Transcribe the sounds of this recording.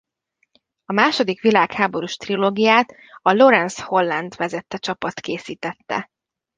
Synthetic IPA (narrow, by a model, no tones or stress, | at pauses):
ɒmaːʃo̞d̪ikʋilaːkhaːbo̞ɾuːʃt̪riloːɡijaːt̪ | ɒlo̞ɾɛnsho̞lːɛnd̪ʋɛzɛt̪ːɛt͡ʃɒpɒt̪keːsiːt̪ɛt̪ːɛ̰